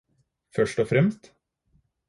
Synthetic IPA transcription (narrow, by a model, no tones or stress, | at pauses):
fœʂʈɔfɾɛmst̪